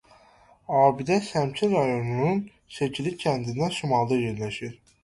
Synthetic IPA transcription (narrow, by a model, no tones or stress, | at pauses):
aːbid̪ɛsæmt͡ʃʰinɾajo̞nunun | set͡ʃilʲicʰænd̪ind̪ɛʃumalˠd̪ajiɾnlʲeʃiɾ̥